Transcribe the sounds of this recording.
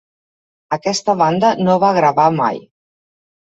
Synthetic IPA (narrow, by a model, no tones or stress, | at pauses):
əkɛst̪əβand̪ənoβaɣɾəβama̰j